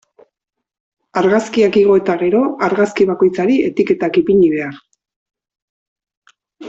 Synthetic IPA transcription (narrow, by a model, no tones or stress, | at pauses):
aɾɣaskiakiɣ̞o̞e̞t̪aɣe̞ɾo̞aɾɣaskiβ̞ako̞jt͡saɾie̞t̪ike̞t̪akipiɲiβe̞ar